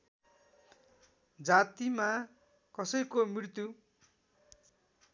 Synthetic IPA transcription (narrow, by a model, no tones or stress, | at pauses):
d͡zat̪ima | kʌsʌjkomirt̪u